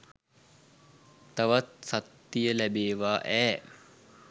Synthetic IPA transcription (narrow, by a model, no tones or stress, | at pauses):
t̪aʋat̪̚sat̪ːijəlæbeːʋaːʔɛː